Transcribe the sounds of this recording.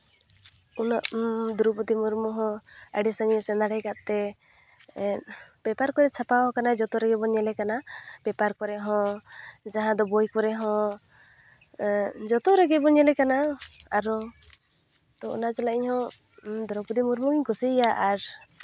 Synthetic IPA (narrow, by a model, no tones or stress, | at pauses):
unɔʔd̪uɾuput̪imuɾmɔɦɔ̃əɖisaŋiɛsɛnd̪aɽajkaʔ̪t̪ɛ | b̥ɛpaɾkɔɾɛt͡ʃʰapawɔ̃kanaɛd͡ʒɔt̪ɔɾɛɡɛbɔɲɛlɛkanab̥ɛpaɾkɔɾɛɦɔ̃d͡ʒaɦãd̪ɔbojkɔɾɛɦɔ̃ | d͡ʒɔt̪ɔɾɛɡɛbɔɲɛlɛkanaaɾɔ | t̪ɔɔ̰nad͡ʒɔlaiɲhɔ̃ | d̪uɾɔput̪imuɾmɔɡiɲkusijaʔaɾ